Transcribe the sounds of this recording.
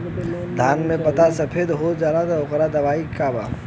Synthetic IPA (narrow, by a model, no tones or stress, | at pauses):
d̪ʱaːnmẽpɐt̪asɐpʰeːd̪ɦoːd͡ʒaːɾat̪ɔʊkɾad̪ɐʋaːikaːba̰ː